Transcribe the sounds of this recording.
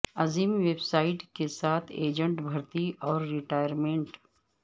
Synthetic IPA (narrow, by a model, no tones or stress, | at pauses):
ɐziːmʋeːbsaːɪʈkesaːt̪ʰeːd͡ʒə̃ɳʈbʱɐɾt̪iɔːɾːɪʈaːjəɾmẽːɳʈ